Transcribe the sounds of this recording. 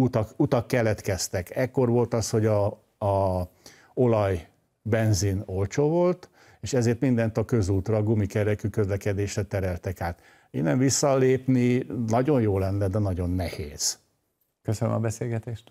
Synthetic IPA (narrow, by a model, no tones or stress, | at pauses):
ut̪ɒkut̪ɒkːɛlɛt̪kɛst̪ɛkɛkːo̞rʋo̞lt̪ɒsho̞ɟɒ | o̞lɒj | bɛnzino̞lt͡ʃoːvo̞lt̪ | eːʃɛzeːrt̪mind̪ɛnt̪ɒkø̞zuːt̪rɒɡumikɛɾɛkykø̞zlɛkɛd̪eːʃrɛt̪ɛɾɛlt̪ɛkaːt̪ | eːnɛɱvisːɒleːpninɒɟo̞njoːlɛnːɛd̪ɛnɒɟo̞nːɛheːz̥ | køsønø̰mɒbɛseːlɡɛt̪eːʃt̪